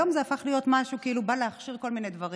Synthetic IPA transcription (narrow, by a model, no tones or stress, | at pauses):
o̞mzeafaχlijo̞t̪maʃukeilubaleaχʃiʁko̞lmine̞jd̪vɐʁi